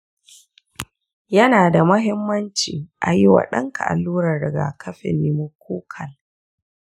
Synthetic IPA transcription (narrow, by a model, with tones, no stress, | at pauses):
jɐ˦naː˨da˨mɐ˦ɦɪ˦mːɐ˦nt͡ʃḭː˨ʔa˨ji˦wa̰˨ɗɐ˦ŋkʰa̰˨ʔa̰˨lːuː˦ɾɐ˨rɽɪ˨ɡa̰ː˨kʰɐ˦ɸɪ̰˨nːi˦mu˦k̚ʰʷuː˦kʰɐ˨l